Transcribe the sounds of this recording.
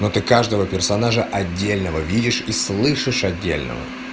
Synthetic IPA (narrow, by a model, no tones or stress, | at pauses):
not̪ɨkaʐd̪əvəpʲɪrsɐnaʐəʔɐdʲːelʲnəvəvʲidʲɪʂislˠɨʂɨʂɐdʲːḛlʲnə̰və̰